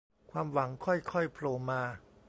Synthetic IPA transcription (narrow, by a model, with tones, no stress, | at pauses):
kʰwaː˧mwa˩˦ŋkʰɔ˥˩jkʰɔ˥˩jpʰloː˧maː˧